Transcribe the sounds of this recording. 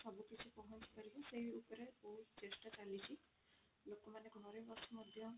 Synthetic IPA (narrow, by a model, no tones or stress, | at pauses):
sɔbukit͡ʃʰipɔɦɔnt͡ʃʰi̥paɾiɦɔsejupɔɾeboɦut̪t͡ʃesʈat͡ʃalit͡ʃʰi | lokɔmaneɡʱɔɔɾejbɔsɔmɔd̪ʱjɔ